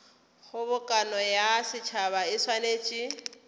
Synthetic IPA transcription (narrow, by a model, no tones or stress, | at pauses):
χʊbʊkʼanɔjasɪt͡ʃʰaβaɪswaneːt͡ʃʼi